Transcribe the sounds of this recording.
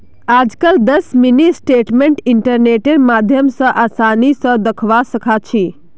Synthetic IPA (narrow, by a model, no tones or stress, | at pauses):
aːd͡ʒkəld̪əsminisʈeʈmeɳʈiɳʈəɾneʈeɾmaːd̪ʱjəmsə̃ʔaːsanisə̃d̪əkʰʋasəkʰat͡ʃʰi